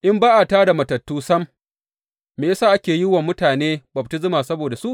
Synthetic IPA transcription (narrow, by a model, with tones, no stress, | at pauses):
ʔɪ˦mbaː˦ʔa˨taː˦da˨mɐ˨tɐ˨tːuː˦sɐ˦mː | eː˨jsaː˦ʔa˦kʲeː˨ji˦wɐ˨mːʊ˦taː˨neː˦bɐ˨b̚tɪ˦zʊ˦maː˨sɐ˦boː˨da˨su˦ʔ